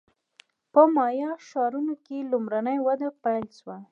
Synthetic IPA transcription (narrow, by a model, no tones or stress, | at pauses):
pəmɑjɑʃɑɾunokelumɾanəjwad̪apajlʃwa